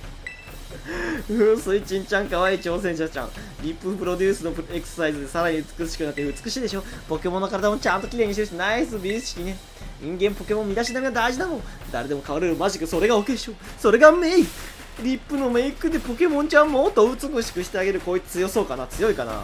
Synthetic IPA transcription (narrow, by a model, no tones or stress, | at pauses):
ɯ̟̃sɨit͡ɕĩɲ̟t͡ɕãŋkaβaiːt͡ɕo̞ːsẽ̞ɰ̃ɕat͡ɕã̰ | ɾʲipːɯ̟pɯ̟ɾo̞d̪ʲɨːsɨno̞ekɯ̥ssaizɨd̪e̞saɾaɲ̟iɯ̟t͡sɨ̥kɯ̟̥ɕi̥kɯnakt̪ːeɯ̟t͡sɨ̥kɯ̟ɕiːd̪eɕo̞ːpo̞ke̞monːokaɾad̪amo̞t͡ɕãnt̪okʲiɾe̞ːɲ̟iɕit̪eɯt̪naisɨbʲiɕi̥kʲine̞ | ɲĩŋɡẽ̞mpo̞ke̞mõmmʲːid̪aɕinamʲeɡad̪aiʑid̪amõ | d̪aɾe̞d̪e̞mo̞kaβaɾɯɾɯmaʑikɯ̟so̞ɾe̞ɡaoked̪eɕoː | so̞ɾe̞ɡamei | ɾʲipːɯ̟no̞me̞ikɯ̟d̪e̞po̞ke̞mõ̞ɲt͡ɕãmmo̞ːt̪oɯ̟t͡sɨkɯ̟ɕi̥kɯ̟ɕi̥t̪eaɡe̞ɾɯ̟koːi̥t͡sɨjo̞so̞ːkanat͡sɨjo̞ikana̰